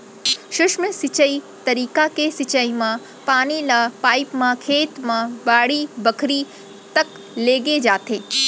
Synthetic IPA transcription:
ʃʊʃməsɪt͡ʃəi | t̪ɐɾiːkakesɪt͡ʃəimã | paːnilapaːipmãkʰeːt̪mãbaːɽibəkʰɾi | t̪ɐk | leːɡed͡ʒaːt̪eː

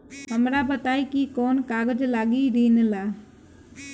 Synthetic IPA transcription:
ɦəmɾabət̪aikikɔːnkaɡəd͡ʒlaɡiɾinla

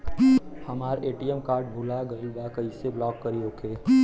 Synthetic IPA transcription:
hɐmaːɾʔeːʈiɛmkaːɾɖbʱuːlaɡɐlbakɐiseblɔːkːɐɾioːkeː

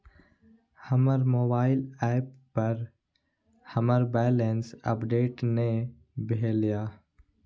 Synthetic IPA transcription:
hɐməɾmoːbaːɪlɛːpːɐɾ | hɐməɾbɛːlensə̰pɖeːʈne | bʱelijaː

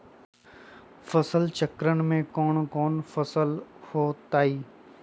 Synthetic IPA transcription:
fəsəlt͡ʃəkɾəñ̆mẽkɔːɳ̃kɔːnfɐsəlhoːt̪aːiː

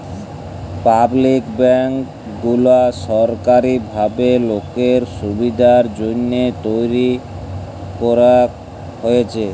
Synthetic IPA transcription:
pablikbɛŋk | ɡulaʃɔɾkaɾibʱabelokeɾʃubid̪ʱaɾd͡ʑonːet̪ojɾi | kɔɾa | ɦojet͡ɕʰe

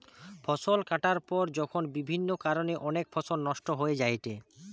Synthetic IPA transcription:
fʰɔsolkaʈaɾpɔɾd͡ʑɔkʰonbibʱinːokaɾoneʔɔnekfʰɔsolnɔʃʈoɦoed͡ʑajʈe

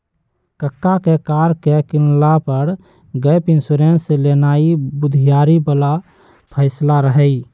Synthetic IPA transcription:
kəkːakekaːɾkekɪnlapəɾ | ɡəjpɪnsuɾenselenaːibʊd̪ʱijaːɾibəla | pʰəɪslaɾəɦəi

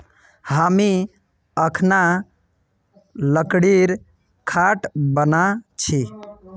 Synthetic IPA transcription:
hami | əkʰna | ləkɽiɾ | kʰaʈbənat͡ʃʰi

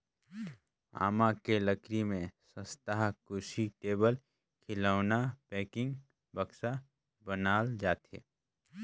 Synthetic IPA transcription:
a̰ːmakeləkɾimẽsə̃st̪aɦkʊʃiʈeːbəl | kʰɪlaːʊnapɛːkɪ̃ŋɡ | bɐksa | bənaːld͡ʒaːt̪ḛː

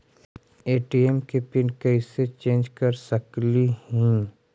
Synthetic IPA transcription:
eːʈiemkepɪnkɐɪset͡ʃẽːnd͡ʒkɐɾsɐklihɛ̃ː

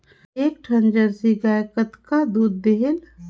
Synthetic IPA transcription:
eːk̚ʈʰə̃nd͡ʒəɾsiɡaːjkət̪kad̪uːd̪ːeɦɪl

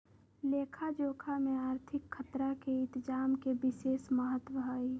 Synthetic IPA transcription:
leːkʰad͡ʒoːkʰamẽaːɾt̪ʰɪkʰːət̪ɾakeɪt̪d͡ʒaːmkebɪseːsməɦət̪wəɦaːi

